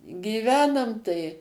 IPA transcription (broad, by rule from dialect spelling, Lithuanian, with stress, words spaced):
ɡʲiːˈʋʲæːnɐm tɐɪ